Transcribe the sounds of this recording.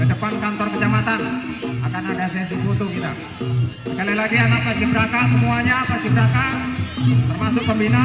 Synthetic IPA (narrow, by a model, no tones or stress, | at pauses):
kədəpankant̪ɔrkəd͡ʒamat̪anakanadasɛsit̪ut̪uɡit̪a | sə̥kalalaɡianak̚past̪ibəɾakasəmuaɲapast̪ibəɾaka | t̪ərmasʊk̚pəmbina